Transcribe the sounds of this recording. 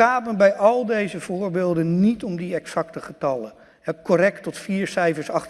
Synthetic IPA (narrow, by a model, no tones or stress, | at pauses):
aːpənbɛjɑlˠdejzəv̥ʊːɹbeːlˠdənnitɔmdiɛksɑk̚təχətɑlə | ɦɛkɔrɛk̚tːɔtfiːɹsɛjfəɹsɑχ